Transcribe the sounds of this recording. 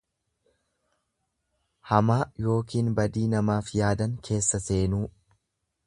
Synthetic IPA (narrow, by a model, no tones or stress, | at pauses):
hɐmaːjo̞ːkiːnbɐd̪iːnɐmaːfjaːd̪ɐŋkʰe̞ːsːɐse̞ːnuː